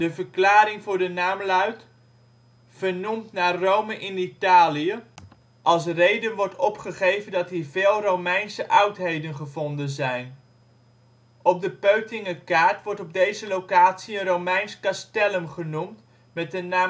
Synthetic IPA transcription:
dəvəɹklaːɾɪŋvʊːɹdənaːmlœɥt | v̥əɹnumtnaːrowməʔɪnitaːlijə | ʔɑlˠs̬rejdənʋɔɹtɔpχəχejvəndɑtɦiːɹvɪːlˠrowmɛjnsəʔɑwtɦejdənχəvɔndənzɛjn | ɔb̚dəpøɥtɪŋəkaːɹtʋɔɹtɔb̚dejzəlowkaːtsiənrowmɛjnskɑstɛləmχənumt | mɛt̚dənaː

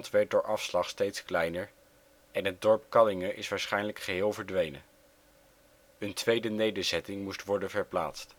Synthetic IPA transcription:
ntʋɛɹt̚dʊːɹʔɑfslɑχstejtsklɛjnəɹ | ɛnɦəd̚dɔɹpkɑlɪŋəʔɪsʋaːɹsχɛjnləkχəɦɪːlˠvəɹdʋejnə̰ | əntʋejdənejdəɹzɛtɪŋmustʋɔɹdənvəɹpla̰ːtst

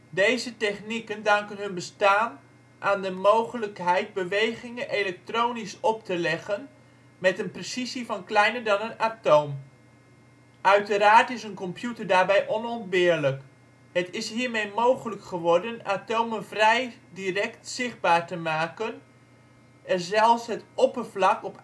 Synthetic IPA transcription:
dejzətɛχnikəndɑŋkənɦɵnbəstaːn | ʔaːndəmowχələkɦɛjt̚bəʋejχɪŋənʔelɛk̚trownisɔp̚tʰəlɛχən | mɛtənpresizifɑnklɛjnəɹdɑnənatowm | ʔœɥtəɾaːɹtɪsənkɔmpjutəɹdaːɹbɛjʔɔnɔnt̚bɪəɹlək | hətɪsɦiːɹmejmowχələkχəʋɔɹdənaːtowmənvrɛjdirɛktsɪχ̚baːɹtəmaːkən | ɛnzɛlˠfsɦətopəvlɑkɔp

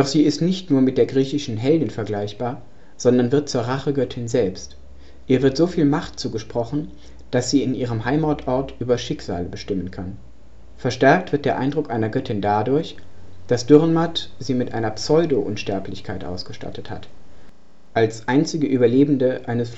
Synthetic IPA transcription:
d̥ɔχz̥iːɪstnɪçtnuːɐmɪt̚d̥eːɐɡʁiːçɪʃn̩ɦɛldɪnfɛɐɡlaɪçb̥aːɐ | z̥ɔndɐnvɪɐt̚t͡suːɐʁaχəɡœtʰɪnzɛlpst | ʔiːɐvɪɐtz̥oːfiːlmaχtt͡suːɡəʃpʁ̥ɔχn̩ | d̥asz̥iːɪnʔiːʁ̞əmɦaɪmɔɐtʰʔɔɐtʔyːbɐʃɪkz̥a̰ːləbəʃtɪmənkʰan | fɛɐʃtɛɐk̚tv̥ɪtd̥eːɐʔa̰ɪndʁʊkʔaɪnɐɡœtʰɪndadʊɐçd̥asd̥ʏʁnmatziːmɪtʔa̰ɪnɐpsɔʏdoʔʊnʃtɛɐplɪçkʰaɪtʔa̰ʊsɡ̥əʃta̰tətha̰t | ʔalsʔaɪnt͡sɪɡəʔyːbɐleːbn̩dəʔaɪnəs

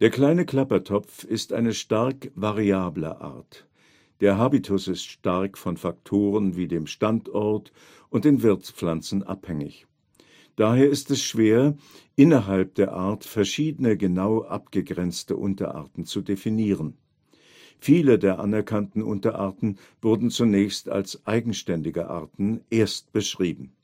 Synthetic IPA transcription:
d̥eːɐkl̥aɪnəkl̥apɐtʰɔp͡fɪstʔa̰ɪnəʃtaɐkvaʁiaːblə̰ʔa̰ːɐt | d̥eːɐɦaːbitʰʊsɪstʃtaʁkfɔnfaktʰoːʁ̞ənviːdeːmʃtantʔɔɐt | ʔʊntd̥eːnvɪɐt͡spp͡flant͡sn̩ʔa̰phɛŋɪ̰ç | d̥aːɦeːɐɪstɛsʃv̥eːɐ | ʔɪnɐɦalp̚d̥eːɐʔaɐtfɛɐʃiːdənəɡənaʊʔa̰pɡ̥əɡʁɛnt͡stə̰ʔʊntɐ̰ʔa̰ɐtn̩t͡sudefiniːʁən | fiːlədeːɐʔa̰nɛɐkʰantn̩ʔʊ̰ntɐʔaɐtn̩ | v̥ʊɐdn̩t͡sunɛːçsta̰lsʔaɪɡŋ̩ʃtɛndɪɡə̰ʔa̰ɐtn̩ʔeːɐst̚b̥əʃʁ̥iːbm̩

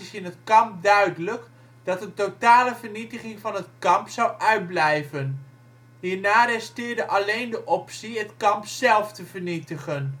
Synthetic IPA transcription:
ɪsɪnɦətkɑmp̚dœɥdələk | d̥ɑtəntotaːləvəɹnitəχɪŋvɑnɦətkɑmpsɑwʔœɥd̚blɛjvən | ɦiːɹnaːrɛstɪːɹdəʔɑlejndəʔɔpsiɦətkɑmpsɛlˠftəvəɹnitəχən

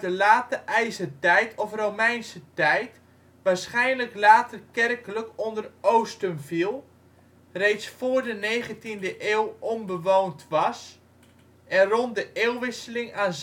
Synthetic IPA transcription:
dəlaːtəʔɛjzətɛjtʰɔfrowmɛjnsətɛjt | ʋaːsχɛjnləklaːtərkɛrkələkɔndərowstənfilˠ | rejtsfoːrdəneːχəntindəʔeːwˠɔmbəʋowntʋɑs | ʔɛnrɔntdəʔeːlˠʋɪsəlɪŋaːn

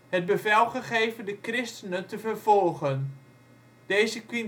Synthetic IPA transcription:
həd̚bəfɛlˠχəχejvəndəkrɪstənətəfərvɔlˠχən | d̥ejzəkʋin

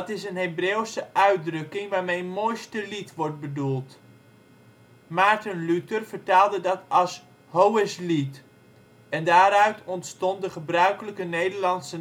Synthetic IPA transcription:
tɪsənɦebreːwsəʔœɥdrɵkɪŋʋaːɹmejəmojstəlitʋɔɹt̚bədulˠt | maɹtənlytərv̥əɹtaːlˠdədɑtɑlˠs | ɦowəslit | ɛndaːɾœɥtɔntstɔntdəχəbrœɥkələkənejdəɹlɑnsə

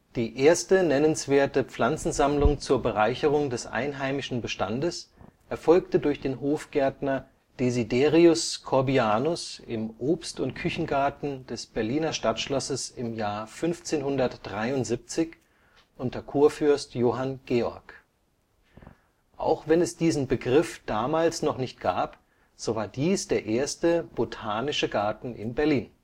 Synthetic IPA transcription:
d̥iːʔeːɐstənɛnənsv̥eːɐtəp͡fl̥ant͡sn̩zamlʊŋt͡suːɐbəʁaɪçəʁ̞ʊŋdɛsʔa̰ɪnɦaɪmɪʃn̩bəʃta̰ndəsʔɛɐfɔlktədʊɐçd̥eːnɦoːfɡ̥ɛɐtnɐ | d̥ezideːʁiʊskʰɔɐbiaːnʊsɪmʔoːpstʊntkʰʏçn̩ɡaɐtn̩d̥ɛsb̥ɛɐliːnɐʃtatʃlɔsəsɪmjaːɐfʏnft͡seːnhʊndɐtd̥ʁaɪʊntz̥ip̚t͡sɪç | ʔʊntɐkʰuːɐfʏɐstjoːɦanɡ̥eːɔ̰ɐk | ʔa̰ʊxv̥ɛnɛsd̥iːzn̩bəɡʁɪfd̥aːmaːlsnɔχnɪçt̚ɡ̥aːp | z̥oːvaːɐdiːsd̥eːɐʔeːɐstəb̥otʰaːnɪʃəɡaɐtn̩ʔɪ̰nbɛɐliːn

